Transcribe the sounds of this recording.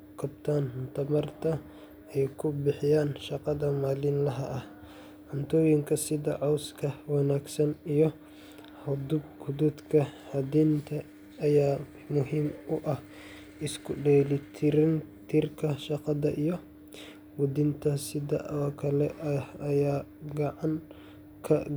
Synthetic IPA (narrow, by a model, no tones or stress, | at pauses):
kʰɐb̚t̪ʰaːnt̪ʰɐmɐrt̪ʰɐ | ɛjkʰʊbɪħɪjaːnʃɑqɑðɐmaːlɪnlɐɦɐʔɐh | ʕʊnt̪ʰɔːjɪŋkʰɐsɪðɐʕɔwskʰɐwɑnaːɡsɐnijɔ | hʊd̪ʊb̚ɡʊdʊd̪kʰɐhɐdint̪ʰɐː | jaː | mʊɦiːmʊʔɐh | ɪskʰʊɖɛːlɪt̪ʰɪɾɪnt̪ʰirkʰɐʃɑqɑðɐʔijɔ | wʊd̪ɪnt̪ʰɐsɪðɐ̰ʔɔkʰɐlɛʔɐjaːɡɑʕɑŋ | kʰɐ